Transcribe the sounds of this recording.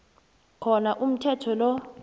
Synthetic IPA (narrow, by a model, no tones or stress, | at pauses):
kʰɔnaʔum̩tʰɛtʰɔlɔ